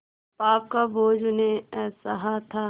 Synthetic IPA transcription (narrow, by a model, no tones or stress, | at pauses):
paːp̚kaboːd͡ʒʊnẽsɐɦat̪ʰaː